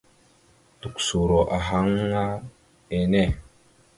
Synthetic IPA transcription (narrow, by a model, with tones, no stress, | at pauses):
tu˨ksu˨ɾo˨ʔa˨ɦa˦ŋ˦ŋa˦ | e˨ne˦˨